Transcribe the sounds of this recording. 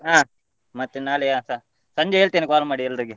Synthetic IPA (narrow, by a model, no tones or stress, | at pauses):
ɦaː | mɐt̪ːenaːlɛjasa | sɐɲd͡ʒeeːɭt̪iːnikaːlmaːɽiɛlːɾiɡe